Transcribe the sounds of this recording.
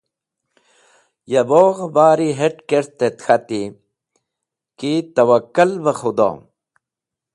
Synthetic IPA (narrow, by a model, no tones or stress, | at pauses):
jɐboːɣbaːɾiɦeʈkeɾt̪et̪xʰat̪i | kit̪ɐwɐkːɐlbɐxud̪o̰ː